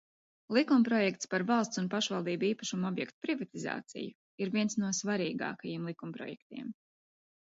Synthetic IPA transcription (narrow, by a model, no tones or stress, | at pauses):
lˠikumpɾɔjɛk̚t̪spaɾvɑlˠst̪sunpaʃvɑlˠd̪iːbiːpaʃumɔbjɛkt̪u̥pɾivat̪iza̰ːt̪sḭju | iɾviɛnsnuɔsvaɾiːɡɑ̰ːkajiɛmlˠikumpɾɔ̰jɛk̚t̪ḭɛm